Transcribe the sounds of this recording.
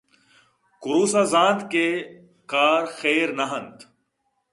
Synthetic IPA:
kʊɾuːsaːzãːt̪ke | kaːɾxeːɾnɐɦənt̪

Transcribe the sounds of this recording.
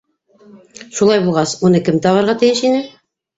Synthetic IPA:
ʃulˠɑjbulˠʁɑsunɤkɘmt̪ɑβɑɾʁɑt̪ɘ̆jɘʃinɘ

